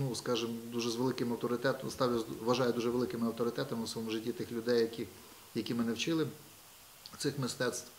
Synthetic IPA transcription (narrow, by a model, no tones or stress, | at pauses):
nuskɑʒɪmd̪uʒɛzʋelˠɪkɪmɐwt̪ɔɾɪt̪ɛt̪st̪ɑwjʲɐzʋɐʒɑjʊd̪uʒɛʋelˠɪkɪmɪɐwt̪ɔɾɪt̪ɛt̪ɐmɪwsʋɔɔmʊʒɪtʲːit̪ɪxlʲʊd̪ɛjɐkʲi | jɐkʲimɪnɛwt͡ʃɪlˠɪ | t̪sɪxmɪst̪ɛt̪st̪ʋ